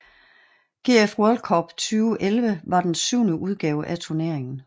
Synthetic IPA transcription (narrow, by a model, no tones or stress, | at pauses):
ɡ̥e̝̰ːefʁɔlkʰɒb̥t͡sʰyːʊʔelʋəʋɑ̈d̥ensyʊ̰nəʔuð̞ˠɡ̥ɛːʊʔæt͡sʰuɐne̝ɐ̰e̝ŋn̩